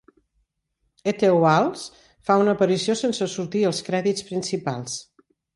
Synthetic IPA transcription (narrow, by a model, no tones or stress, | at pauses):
et̪eualˠs | faunəːpəɾisiosensəsuɾt̪iəlˠskɾɛðit͡sspɾinsipa̰lˠs